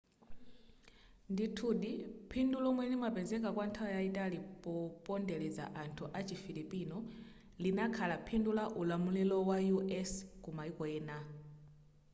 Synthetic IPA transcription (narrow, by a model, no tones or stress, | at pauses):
nditʰuɗipʰindulɔmwɛnimapɛzɛk̬akwantʰajaitʼalipɔpʼɔndɛlɛza̰ʔantʰuʔat͡ʃifiɾipʼinɔ | linakʰalapʰindulaʔulamulilɔwajuʔɛskumaikɔɛːna